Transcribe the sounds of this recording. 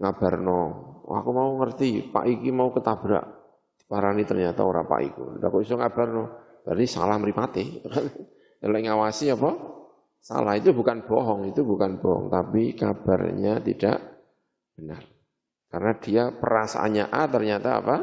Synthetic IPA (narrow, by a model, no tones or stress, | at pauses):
ŋab̥arnɔwa̰kumauŋərt̪ipa̰ʔikimaukət̪ab̥ɾa̰ʔ | d̥i̥paɾanit̪ərɲat̪a̰oɾa̰pa̰ʔḭkṵda̰kuisɔŋab̥arnɔ | b̥ardisa̰lahməɾipat̪ɪit̪ukan | alɔʔiŋawasiapa | sa̰lahit̪ubukanb̥ɔɦɔŋit̪ubukanb̥ɔɦɔ̰ŋt̪apikab̥a̰rɲat̪ḭd̥a̰ʔ | b̥ənə̰r | karənad̥iapəɾasa̰ʔa̰ɲaʔat̪ərɲat̪a̰ːpa